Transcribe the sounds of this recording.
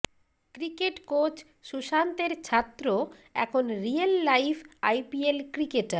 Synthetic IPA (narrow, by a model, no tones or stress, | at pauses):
kɾikeʈkot͡ɕ | ʃuʃant̪eɾt͡ɕʰat̪ːɾoɛ̰kʰonɾialːajfajpielkɾikeʈaɾ